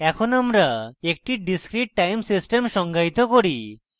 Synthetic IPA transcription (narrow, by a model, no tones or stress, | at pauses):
ɛkʰonamɾaek̚ʈiɖiskɾiʈ̚ːajmsisʈemʃɔŋɡajt̪okoɽi